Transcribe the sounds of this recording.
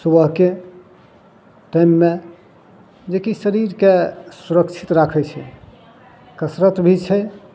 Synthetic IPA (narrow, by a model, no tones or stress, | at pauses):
subəɦke | ʈajmːe | d͡ʒekisəɾiɾkesuɾəkt͡ʃʰi̥t̪ɾakʰɛt͡ʃʰɛ | kəsɾət̪bʱit͡ʃʰɛ